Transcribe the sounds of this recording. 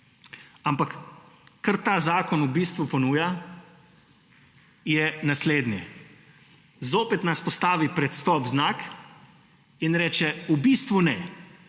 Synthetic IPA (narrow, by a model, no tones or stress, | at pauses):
ampakː | əɾt̪aːzaːkɔnubiːst̪ʋupɔnuːja | jɛnasleːd̪nɛ | zoːpɛt̪naspɔst̪aːʋipɾɛt̪st̪ɔpznaːk | inɾɛːt͡ʃɛubist̪ʋunɛ